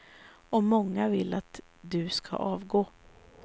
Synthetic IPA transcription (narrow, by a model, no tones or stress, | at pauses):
ɔmɔŋːavɪlːat̪ | d̪ɵskʰa̰ʔɑːvɡoː